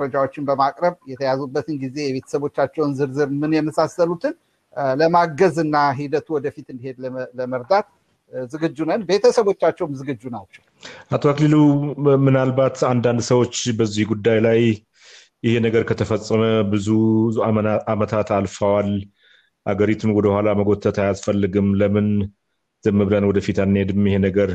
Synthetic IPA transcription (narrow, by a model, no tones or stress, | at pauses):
ɾəd͡ʒawo̞t͡ʃːɪnbəmakʼɾəβjɛt̪ʰəjazubːət̪ɨnɡize̞jɛβe̞t̪ʰə̥səβo̞t͡ʃːat͡ʃːɛwnzɨɾzɨɾmɨnjɛməsasːəlut̪ʰɨn | ləmaɡəzɨnːaɦid̪ət̪ʰuwɔd̪əfit̪ɨnd̪ihe̞d̪ləməɾd̪at̪ | zɨɡɨd͡ʒːunənbe̞t̪ʰəsəβot͡ʃːat͡ʃːɛwmzɨɡɨd͡ʒːunat͡ʃːɛwʔat̪ʰoaklilumɨnalbat̪ʰand̪and̪səwot͡ʃːbəzːihɡud̪ːajlaj | jɪhe̞nəɡəɾkʰət̪ʰəfəsʼːəməbɨzu | amət̪ʰat̪alfəwal | ʔaɡəɾit̪ʰumwɔd̪əhʷalaməɡo̞t̪ʰːət̪ʰajasfəlːɨɡɨmləmɨn | z̥ɨmːɨβlənwɔd̪əfit̪anːhed̪ɨmjɪhe̞nəɡəɾ